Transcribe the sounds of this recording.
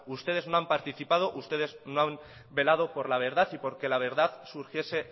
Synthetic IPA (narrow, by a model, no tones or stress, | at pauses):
ust̪e̞ð̞e̞zno̞ampaɾt̪iθipað̞o̞ʔust̪e̞ð̞e̞zno̞am | be̞lað̞o̞po̞ɾlaβ̞e̞ɾðaθipo̞ɾke̞laβ̞e̞ɾðaðsuɾxje̞se̞